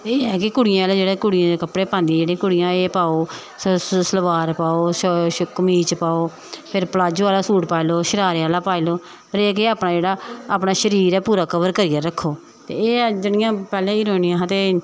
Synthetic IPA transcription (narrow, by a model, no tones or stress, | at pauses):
eːɛːkɪkʊɽɪjãːleːd͡ʒeːɽeːkʊɽɪjãːd̪eːkəpɽeːpãːnd̪ĩd͡ʒeːɽẽːkʊɽɪjãːeːpaːoː | səlʋaːɾpaːoːʃʃʊkmiːt͡ʃpaːoː | pʰɪɾpəlaːd͡ʒaːlaːsuːʈpaːiloːʃəɾaːɾeaːlaːpaːiloː | pʰəɾeːk̬eaːpnaːd͡ʒeːɽaːaːpnaːʃəɾiːɾɛːpuːɾaːkʰəʋəɾkəɾɪːjaːɾəkʰːoː | t̪ḛːeːd͡ʒɪnɪjãːpɛːlẽːiːɾoːnɪːãːɦãːt̪eː